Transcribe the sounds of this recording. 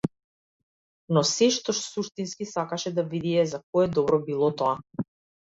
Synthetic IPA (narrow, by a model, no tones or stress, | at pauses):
nɔsɛʃt̪ɔʃsuʃt̪inskisakaʃɛd̪avid̪iɛzakɔɛd̪ɔbɾɔbilˠɔt̪ɔa